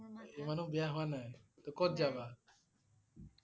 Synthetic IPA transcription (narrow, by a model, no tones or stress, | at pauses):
emanũbɛjaɦuanaɛ̃t̪ɔkɔt̪̚d͡ʒaba